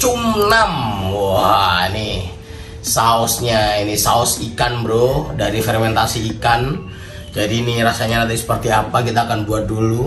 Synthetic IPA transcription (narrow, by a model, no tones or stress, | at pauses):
t͡ʃumnam | nih | saɔsɲainisaɔsikanbɾohdaɾifɛrmɛnt̪asiːkan | d͡ʒadiːniɾasaɲanat̪ɪŋsə̥pərt̪iapakit̪aːkanbuat̪̚dulu